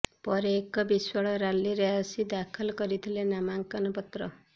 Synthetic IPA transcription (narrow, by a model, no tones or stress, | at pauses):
pɔɾeːkɔbiswɔɭɔɾaliɾeɔsid̪akʰɔlɔkɔɾit̪ʰilenamaŋkɔnɔpɔt̪ɾɔ